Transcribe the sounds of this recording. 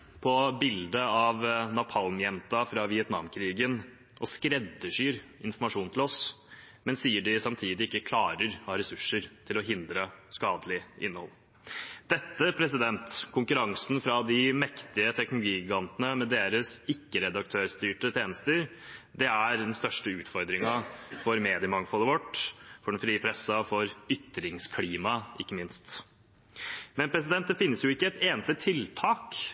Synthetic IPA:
pʰɔbɪld̪əɑʋnɑpʰɑlmjɛmt̪ɑfɾɑʋɪɛt̪nɑ̰ːmkʰɾiːɡən | ʔɔskɾɛd̪ːəʂyːɾɪnfɔɾmɑʂuːnt̪ʰɪlɔs | mɛnsiːəɖɪsɑmt̪ʰiːd̪ɪɪkːəkʰlɑːɾəɾhɑːɾɛsʉʂːəɾt̪ʰɪlɔɦɪnd̪ɾəskɑːd̪əlɪʔɪ̰nːəhɔ̰lː | d̪̥ɛt̪ːəpʰɾɛsɪd̪ɛnt̪kʰʊŋkʉɾɑŋsn̩fɾɑd̪ɪmɛkt̪ɪət̪ʰɛknʊlʊɡiːɪɡɑnt̪ənəmɛd̪eːɾəsɪkːəɾɛd̪ɑk̚t̪ʰøːɾst̪yːʈət̪ʰeːnəst̪əɾ | d̪ɛæɾd̪ɛnst̪œʂʈəʉːt̪fɔɾd̪ɾɪŋɑfɔɾmeːd̪ɪəmɑŋfɔlːəʋɔʈːfɔɖɛnfɾiːəpʰɾɛsɑfɔɾʏt̪ːɾɪŋskʰliːmɑɪkːəmɪnst̪ | mɛnpʰɾɛs̬ɪd̪ɛnt̪d̪ɛfɪnːəsjʊɪkːəɛt̪eːnəst̪ət̪ʰɪlt̪ʰɑːk

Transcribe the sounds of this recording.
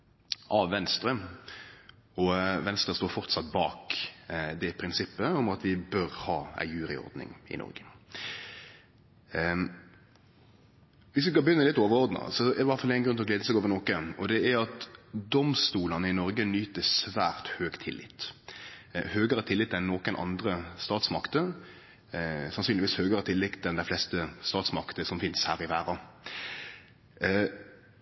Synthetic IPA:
ʔɑʋʋɛnst̪ɾə | ɔʋɛnst̪ʁəst̪oːɾfɔʁt̪sɑt̪̚bɑːk | d̪ɛpʰɾɪnsɪpːəɔmɑt̪ʋɪbœɾhɑːæ̰ɪjʉːɾɪ̰ɔ̰ɾd̪nɪ̰ŋɪ̰nɔ̰ɾɡə | ʋɪsʋɪskɑbjʏnːəlɪt̪ːoːʋəɾɔɾʁd̪nɑ̰sɔɛʋæɾt̪fɑlæɪnɡɾʉnʰɪlɔɡleːd̪əsɛɡoːʋənɔːkəɔd̪ɛæɾɑt̪d̪ɔmst̪uːlɑnəɪnɔɾɡənyːt̪əsʋæːʁt̪høːɡt̪ʰɪlːɪ̰t̪ː | høːɡəɾət̪ʰɪlːɪt̪ːɛnːoːkənʔɑ̰nd̪ɾəst̪ɑːt̪smɑkt̪ə | sɑnsyːnlɪʋiːshøːɡəʁət̪ʰɪlːɪkt̪ɛnd̪æɪflɛst̪əst̪ɑːt̪smɑkt̪əsɔmfɪnshæːɾɪʋæːɾɑ

